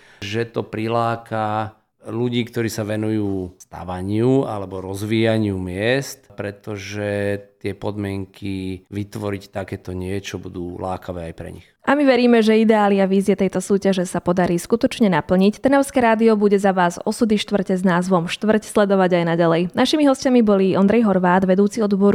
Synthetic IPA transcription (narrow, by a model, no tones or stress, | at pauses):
ʒɛt̪ɔpɾilaːkʰa | luɟiːkt̪ɔɾiːsaʋɛnujuːst̪a̰ʋaɲɪua̰lɛbɔɾɔzʋiːjaɲɪumɪɛst̪pɾɛt̪ɔʒɛt̪ɪɛpɔd̪mɪɛŋkʰiʋit̪ʋɔɾict̪akɛːt̪ɔɲɪɛt͡ʃɔbud̪uːla̰ːkʰaʋɛːajpɾɛ̰ɲixʔamiʋɛɾiːmɛʒɛid̪ɛaːliaʋiːziɛt̪ɛjt̪ɔsuːcaʒɛsapɔd̪aɾiːskut̪ɔt͡ʃɲɛnapl̩ɲict̪ɛnɛʊskɛːɾaːd̪iɔbuɟɛzaʋaːzɔsud̪iʃt̪ʋr̩cɛznaːzʋɔmʃt̪ʋr̩cslɛd̪ɔʋaɟajnaɟalɛjnaʃimiɦɔscamibɔliɔnd̪ɾɛjɦɔɾʋaːd̪ʋɛd̪uːt͡siɔd̪bɔɾ